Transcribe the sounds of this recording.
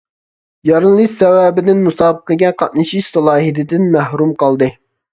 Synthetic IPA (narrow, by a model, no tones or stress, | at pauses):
jɑɾɨnlˠɨsɛwæːbɪd̪ɪnmusɑːbəqɨɡʲɛqʰɑt̪̚nɨʃiʃsɑlˠɑːɦid̪ɪd̪ɪnmæhɾumqɑlˠd̪ɨ